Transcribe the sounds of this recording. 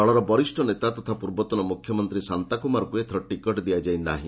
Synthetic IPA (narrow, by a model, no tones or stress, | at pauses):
ɔɭɔɾɔbɔɾisʈʰɔnet̪at̪ɔt̪ʰapuɾbɔt̪ɔnɔmukʰjɔmɔnt̪ɾisant̪akumaɾɔkuet̪ʰɔɾɔʈikɔʈd̪iad͡ʒajna̰ɦḭ̃